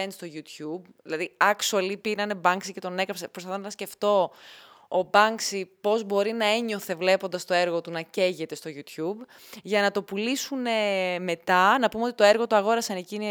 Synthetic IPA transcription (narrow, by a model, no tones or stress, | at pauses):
enst̪o̞ʝut̪çubðilɐðiɐksuɐlipiɾɐnebɐŋksice̞t̪o̞ne̞kɾɐpsepɾosɐθonɐɐsce̞ft̪o̞ː | bɐŋksipo̞zbo̞ɾinɐe̞ɲo̞θe̞vle̞po̞nd̪ɐst̪oe̞ɾɣo̞t̪unɐce̞ʝe̞t̪e̞st̪o̞ʝut̪çub | ʝɐnɐt̪o̞pulisune̞me̞t̪ɐnɐpumeot̪it̪oeɾɣo̞t̪uɐɣo̞ɾɐsɐnecin